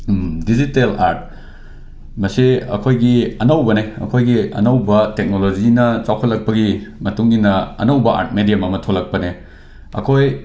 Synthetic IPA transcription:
dizitelaɾt̚ | mɐseɐ̰kʰojɡiɐnɐwbɐneɐ̰kʰojɡiɐ̰nɐwbɐtek̚nolozinɐt͡sawkʰɐt̚lɐk̚pɐɡimɐtuŋɡinɐɐ̰nɐwbɐʔa̰ɾt̚medijamɐmɐtʰolːɐk̚pɐne | ɐ̰kʰoj

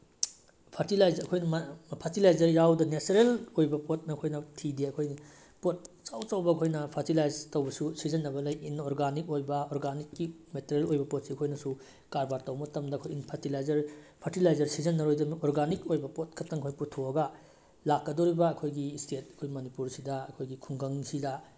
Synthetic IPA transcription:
pʰɐɾtilajzɐkʰojnɐmpʰɐɾtilajzɐɾjawdɐnesɐɾelojbɐpot̚nɐɐkʰojnɐtʰideɐkʰojni | pot̚t͡ʃawt͡ʃawbɐɐkʰojnɐpʰɐɾtilajztɐwbɐsusizɐnːɐbɐlɐjinːoɾɡanik̚ojbɐoɾɡanikːimeteɾelojbɐpot̚siɐkʰojnɐsu | kaɾbaɾtɐwmɐtɐmdɐɐkʰojinpʰɐɾtilajzɐɾpʰaɾtilajzɐɾsizɐnːɐɾojdɐmoɾɡanikojbɐpot̚kʰɐtːɐŋkʰojputʰoɐɡɐ | lakːɐdoɾibɐːkʰojɡistʰet̚ɐ̥kʰojmɐnipuɾsidɐɐkʰojɡikʰuŋɡɐŋsidɐ

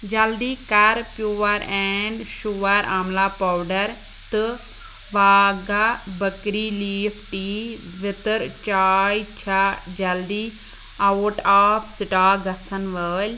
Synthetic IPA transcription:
d͡ʒɐld̪iːkɐɾpjuːɐɾɛːɳɖʃuːɐɾaːmlaːpawɖəɾ | t̪ɨ | ʋaːɡabəkɾiliːfʰʈiː | ʋɪt̪əɾt͡ʃaːjt͡ʃʰad͡ʒɐld̪iː | ɐwʈaːpʰsɪʈaːɡɐsənʋəːlʲ

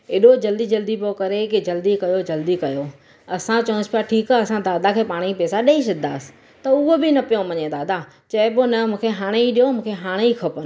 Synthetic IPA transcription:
eɗod͡ʑɐld̪id͡ʑɐld̪ipjokɐɾekid͡ʑɐld̪ikɐjod͡ʑɐld̪ikɐjo | ɐsãt͡ɕɐə̃nspjaʈʰiːkaɐsãd̪aːd̪akʰeːpaːɽ̃ipɛːsaɗɐiʃɪd̪a̰ːsɪ̥ | t̪ɐʊɦobɪnɐpijõmɐɲẽd̪aːd̪a | t͡ɕɐɪponɐmũːkʰeɦaːɽ̃eiɗijomũːkʰeɦaːɽ̃eikʰɐpən

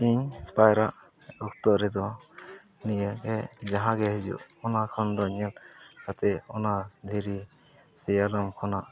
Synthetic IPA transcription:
iɲpajɾaʔ | ɔk̚t̪ɔʔɾɛd̪ɔ | nijəɡɛd͡ʒaɦãɡɛɦɛd͡ʒṵʔɔnakʰɔnd̪ɔɲɛlkat̪ɛɔnad̪ʱiɾi | sɛjalɔmkʰɔnaʔ

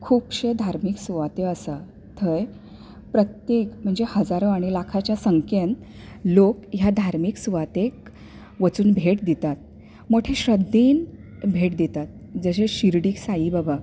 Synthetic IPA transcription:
kʰuːpɕed̪ʱaɾmiksuʋat̪eəsa | t̪ʰəj | pɾət̪jekm̤əɳd͡zehəd͡zaɾoaɽ̃ilakʰat͡ɕjasəŋken | lokjad̪ʱaɾmiːksuʋat̪ek | ʋət͡suːnbʱeʈd̪it̪at̪̚ | moʈʰeɕɾəd̪ʱːin | bʱeʈd̪it̪at̪̚ | d͡zəɕeɕiɾɽiːksajiːbaba

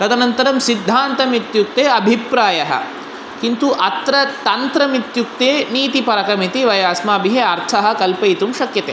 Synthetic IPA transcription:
ɾɐd̪ɐnɐnt̪ɐɾɐmsid̪ʱːaːnt̪ɐmit̪juk̚t̪eːɐbʱipɾaːjɐɦɐ̰ | kint̪uʔɐt̪ɾɐt̪ɐnt̪ɾɐmit̪juk̚t̪eːniːt̪ipɐɾɐkɐmit̪iʋɐjaːsmaːbiɦeɐɾt̪ʰɐɦɐ̆kɐlpɐjt̪umʃɐkjɐt̪eː

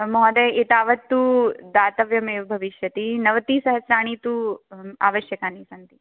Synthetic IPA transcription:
mɔːd̪eit̪aːʋɐt̪ːud̪aːt̪ɐʋjɐmeːʋbʱɐʋiʃjɐt̪inɐʋɐt̪iːsɐɦɐsɾaːɳ̃iːt̪ua̰ːʋɐʃjɐkaːniːsɐnt̪i

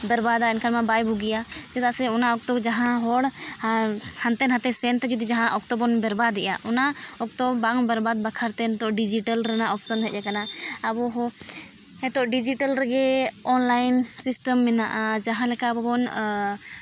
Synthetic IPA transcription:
bɛɾbad̪aɛnkʰaɽmãbajbʱuɡijad͡ʒɛd̪asɛɔnaɔk̚t̪ɔd͡ʒaɦãɦɔɽ | hãnt̪ɛnɦãt̪ɛsɛnt̪d͡ʒɔd̪id͡ʒaɦãʔɔk̚t̪ɔbɔnbɛɾbad̪ɛʔja̰ʔɔnaɔk̚t̪ɔbaŋbɛɾbad̪̚bakʰaɾt̪ɛnt̪ɔʔɖid͡ʒiʈəlɾɛnaʔɔpsənɦɛˀd͡ʒɛkanaabɔɦɔ̃ | ɛt̪ɔʔɖid͡ʒiʈəlɾɛɡɛɔnlajnsisʈəmːɛnaʔad͡ʒaɦãlɛkabɔbɔn

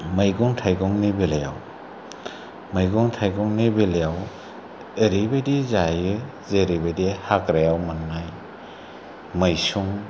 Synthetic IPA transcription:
majɡɔŋtʰajɡɔŋnibelaja̰w | majɡɔŋtʰajɡɔŋnibelejaw | eɾibedizajɯ | zeɾibedihakɾajawmanŋaj | majsuŋ

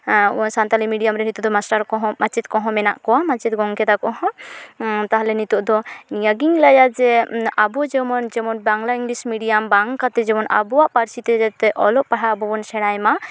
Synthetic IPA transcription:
sant̪alimiɖijamɾɛnit̪ud̪ɔmasʈaɾkɔɦɔ̃mat͡ʃit̪̚kɔ̃ɦɔ̃mɛnaʔkɔwamat͡ʃit̪̚ɡɔŋkɛd̪akɔɦɔ̃ | t̪aɦalɛnit̪uʔd̪ɔniaɡiŋlajad͡ʒɛabɔd͡ʒɛmɔnd͡ʒɛmɔnbaŋlaɾiŋɡlismiɖijambaŋkat̪ɛd͡ʒɛmɔnʔa̰buwaʔpaɾsit̪ɛd͡ʒɛt̪ɛʔɔlɔʔpaɦabɔbɔnsɛɽ̃ajma

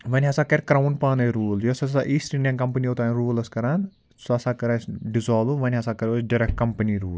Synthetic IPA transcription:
ʋɐnʲɦɐsaːkɐɾkɾawunpaːnɐɾuːljosɐaʔiːsʈɾinʲɐ̃ŋkɐmpɐniot̪aːɾuːlɐskɐɾɐn | sɐsaːkɐɾɐsɖizɔːluʋɐnʲɦɐsakɐɾosɖɐɾɛk̚ʈ̚kɐmpɐniɾuːl

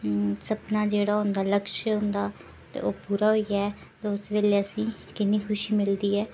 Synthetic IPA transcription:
səpnaːd͡ʒeːɽaːɦʊnd̪aːləkʃɦʊ̃nd̪aː | t̪ḛːʔoːpuːɾaːɦoiɛː | t̪eʊsʋeːleːəsĩː | kɪnːiːkʰʊʃiːmɪld̪iːɛː

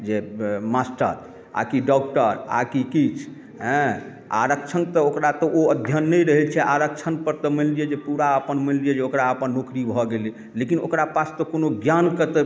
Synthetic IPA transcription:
d͡ʒemasʈə̰ɾ | a̰kiɖɔk̚ʈəɾa̰kikit͡ʃʰ | ɦɛ̃ | a̰ɾək̚t͡ʃʰənt̪ɔokɾat̪ɔʔoəd̪ʱjənːɛjɾəɦɛlt͡ʃʰɛʔaɾəkt͡ʃʰənpəɾt̪ɔməliɛd͡ʒepuɾaəpənməlliɛd͡ʒeokɾaəpənːokɾibʱɔɡeli | lekino̰kɾapast̪ɔkonoɡjankət̪e

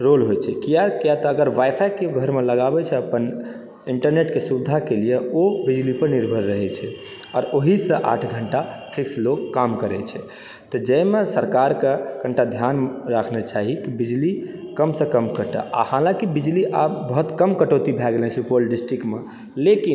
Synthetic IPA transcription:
ɾolɦojt͡ʃʰɛkijakijat̪ɔəɡəɾʋajpʰajkeoɡʱəɾmeləɡabɛt͡ʃʰɛəpən | iɳʈəɾneʈkesubd̪ʱakelijeobid͡ʒlipəɾniɾbʱəɾːəɦɛt͡ʃʰɛ | ɔːɾoɦisə̃ʔa̰ʈʰɡʱəɳʈapʰiksloɡkːamkəɾɛt͡ʃʰɛ | t̪ɔd͡ʒəmesəɾkaɾkekəɳʈad̪ʱjanɾakʰnɛt͡ʃaɦikibid͡ʒli | kəmsə̃kəmkəʈə̰ʔa̰halãkibid͡ʒliʔabːəɦut̪kəmkəʈot̪ibʱɛɡlɛ̃supolɖisʈɾikʈme | lekin

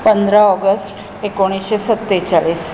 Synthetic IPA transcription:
pənd̪ʱɾaɔɡəsʈ | ekoɽ̃isɕesət̪ːet͡saɭiːs

